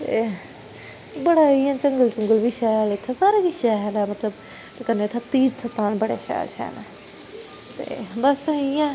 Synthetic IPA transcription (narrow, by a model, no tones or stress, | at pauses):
t̪ḛː | bəɽaːɪjãːt͡ʃəŋɡəlt͡ʃəŋɡəlʋiːʃɛːlɪt̪ʰːaːsaːɾaʋiʃɛːɦɛːnaːmət̪ləb | t̪kənːeːt̪ʰːaːt̪iːɾt̪ʰət̪aːnbəɽḛːʃɛ̰ːɾt͡ʃʰɛ̰ːnaː | t̪ḛːbəsɪjãː